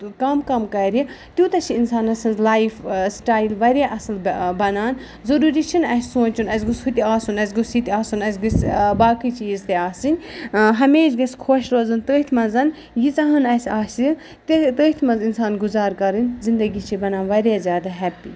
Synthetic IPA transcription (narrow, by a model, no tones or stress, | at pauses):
kɐmkɐmkɐɾi | t̪ʲjuːt̪ɐt͡ʃʰiinsaːnɐsɐnzlaːifsʈaːilʋɐɾʲjaʔɐsɐlbɐnaːn | zɐɾuːɾit͡ʃʰinɐsʲsõːnt͡ʃunɐs̬ʲɡushut̪ʲiaːsunɐsʲɡusit̪ʲiaːsunɐsʲɡɐsbaːkit͡ʃiːzt̪eaːsɨnʲɦɐmeːt͡ʃɡɐsʲkʰoːʃɾoːzɐnt̪əːt̪ʰmɐnzɐn | jit͡sɐɦɐnɐsʲaːsi | t̪t̪əːht̪ʰmɐzinsaːnɡuzaːɾkɐɾɨnʲzind̪ɐɡit͡ʃʰibɐnaːnʋɐɾjaːzʲjaːd̪aɦɛpi